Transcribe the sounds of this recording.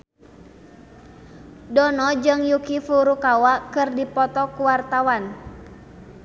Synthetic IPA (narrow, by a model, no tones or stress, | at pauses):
dɔnɔd͡ʒɨŋjukifuɾukawakɨrdipɔt̪ɔkuwart̪awan